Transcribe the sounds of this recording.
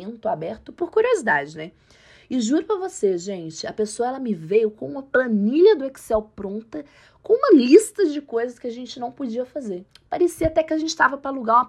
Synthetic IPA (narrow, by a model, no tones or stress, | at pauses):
nt̪ʊabɛɾt̪ʊpoɾkuɾiozid̪a̰d͡ʒɪnɛ | ɪʒuɾʊpɾɐvoseʒẽnt͡ʃɪɐpesoɐɛlɐmɪvejʊkõũmɐpɐ̃niʎɐd̪ʊeksɛwpɾõnt̪ɐ | kõũmɐlist̪ɐd͡ʒɪkojzɐskɪaʒẽnt͡ʃɪnɐ̃w̃pod͡ʒiɐfazeɾ | paɾesiɐat̪ɛkɪaʒẽnt͡ʃɪst̪avɐpɾɐluɡaɾũmɐ